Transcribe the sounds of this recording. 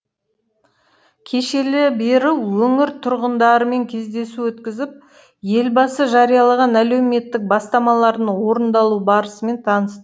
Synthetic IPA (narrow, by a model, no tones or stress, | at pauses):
kʲʰe̞ʃe̞lɪbe̞ɾɪwwɵŋɪɾt̪ʰʊɾʁənd̪ɑɾəme̞ŋkʲʰe̞zd̪e̞suwɵt̪kʲɪzɪp̚ | je̞lbɑsəʒɑɾijɑlˠɑʁɑnælæwme̞t̪ːɪk̚bɑst̪ɑmɑlˠɑɾd̪əɴwo̞ɾənd̪ɑlˠubɑɾəsəme̞nt̪ʰɑnəst̪ə